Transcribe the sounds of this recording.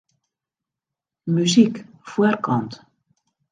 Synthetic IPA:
myzikfwərkɔnt

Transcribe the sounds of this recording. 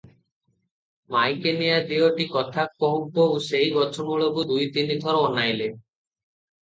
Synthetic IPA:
majkenijad̪ioʈikɔt̪ʰakːɔɦɔmpousejɡɔt͡ʃʰɔmuɭobud̪ujt̪inik̪ɔɾɔːnajle

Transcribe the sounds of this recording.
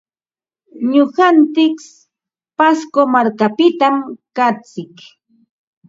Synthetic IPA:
ɲʊɢant͡s̪ɪks | paskomaɾkapɪt̪amkat͡sɪk

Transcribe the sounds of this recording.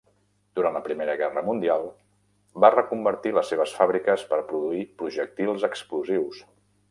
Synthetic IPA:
d̪uɾantləpɾimeɾəɣɛrəmund̪ialˠ | barəkumbəɾt̪iləsːeβ̞əsfaβɾikəspəɾpɾuðuipɾuʒək̚t̪ilˠzəkskluziws

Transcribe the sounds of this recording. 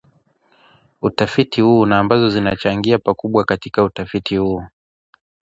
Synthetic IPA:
utafitihuːnaːmbazɔzinat͡ʃaŋɡiapakuɓwakatikautafitihuː

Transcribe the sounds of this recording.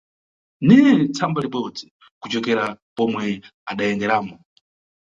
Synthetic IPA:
nit͡sʰambaliɓɔd͡zi | kut͡ʃɔkɛɾapɔmwɛaɗajɛŋɡɛɾaːmɔ

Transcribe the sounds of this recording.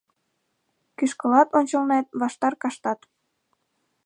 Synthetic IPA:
kyʃkəlɑt̪onʲt͡ɕəlnet̪̚βɑʃt̪ɑrkɑʃt̪ɑt̪

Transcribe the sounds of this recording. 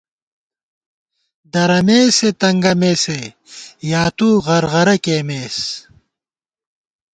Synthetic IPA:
d̪ɐɾɐmeːset̪ɐŋɡɐmeːse | jaːt̪uːʁɐɾʁɐɾɐkeːmeːs

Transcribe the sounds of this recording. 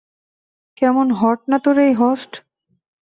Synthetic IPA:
kɛmonɦɔʈ̚nat̪oɾejɦɔsʈ

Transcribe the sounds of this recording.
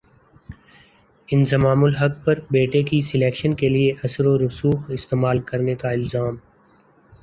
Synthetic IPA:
ɪnzɐmaːmʊlɦɐk̚pɐɾbeːʈekisɪleːkʃənkelieʔɐsɾoɾʊsuːxɪst̪eːmaːlkɐɾnekaɪlzaːm

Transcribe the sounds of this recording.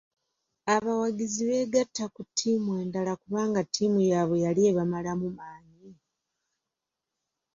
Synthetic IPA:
aβawaɡiziβe̞ːɡatːakutʰːimwe̞ːndalakuβaːŋɡatʰːimujaβe̞jalie̞βamalamumaːɲi

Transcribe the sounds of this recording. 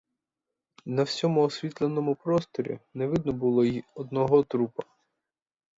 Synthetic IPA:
nɐwsʲɔmʊɔsʲʋʲit̪lˠenɔmʊpɾɔst̪ɔɾʲḭnɛʋɪd̪nɔbʊlˠɔiɔd̪nɔɦɔt̪ɾupɐ

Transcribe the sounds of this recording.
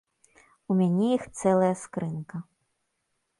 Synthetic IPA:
umʲanʲɛjixt̪sɛlˠɐjɐskɾɨnkɐ

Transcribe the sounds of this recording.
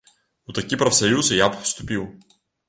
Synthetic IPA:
ʊt̪ɐkʲipɾɐfsɐjusjapfst̪ʊpilˠ

